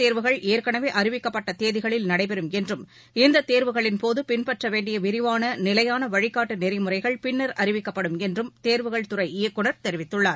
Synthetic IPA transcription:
t̪eːɾʋɯɣɐɭeːɾkɐɳɐʋeːʔɐɾɪʋɪkːɐpːɐʈːɐt̪eːðɪɣɐɭɪlnɐɽɐɪpɛɾɯmɛndrɯm | ɪnd̪ɐt̪eːɾʋɯɣɐɭɪnpoːðɯpɪnpɐʈrɐʋeːɳɖɪjɐʋɪɾɪʋaːnɐnɪlɐjaːnɐʋɐɻɪkːaːʈːɯnɪɾɪmɯrɐɪɣɐɭpɪnːɐɾɐɾɪʋɪkːɐpːɐɽɯmɛndrɯmt̪eːɾʋɯɣɐɭt̪ʊrɐɪɪjɐkːɯɳɐɾt̪ɛɾɪʋɪt̪ːɯɭːaːɾ

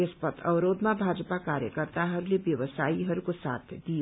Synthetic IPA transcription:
espʌt̪ʰʌbɾod̪mabʱad͡zpakaɾjəkʌrt̪aɦʌɾulebjʌwʌsaiɦʌɾukosa̰t̪ʰd̪i

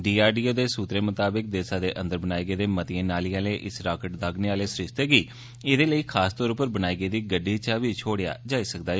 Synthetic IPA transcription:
ɖiːaːɾɖiːoːd̪eːsuːt̪ɾeːmət̪aːbɪk̚d̪eːsaːd̪eːʔə̃nd̪əɾbənaːiːɡeːd̪eːmət̪ɪẽːnaːliːaːleːʔɪsɾaːkəʈd̪aːɡneːaːleːsɾɪʃt̪eːɡiː | eːd̪eːləiːkʰaːst̪ɔːɾʊpːəɾbənaːiːɡeːd̪iːɡəɖːiːt͡ʃaʋiːt͡ʃʰoːɽɪja̰ːd͡ʒaːiːsəkd̪aː

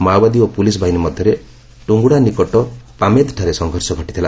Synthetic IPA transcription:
mawbad̪iopulis̬ɔbʱainimɔd̪ʱjɔɾe | ʈuŋɡuɽanikɔʈɔpamed̪ʈʰaɾesɔŋɡʱɔɾsɔɡʱɔʈit̪ʰila

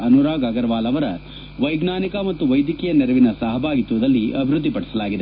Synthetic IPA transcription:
ɐnuɾaːɡaɡɐɾʋaːlɐʋɐɾɐ | ʋɐjɡnaːnikɐmɐt̪ːuʋɐjd̪jɐkɛjɐnɛɾɐʋinɐsɐɦɐbʱaːɡit̪ːuʋɐd̪ɐlːiʔɐbʱiɾud̪ːipɐɽɛsɐlaːɡid̪e̞

